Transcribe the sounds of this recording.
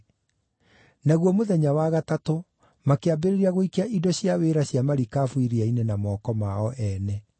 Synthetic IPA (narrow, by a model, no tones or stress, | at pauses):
naɣwɔmoðɛɲawaɣatato | makeabeɾeɾiaɣoikeaʔidɔɕjaweːɾaɕjamaɾikaːfuiɾiainenamɔːkɔmaɔʔɛnɛ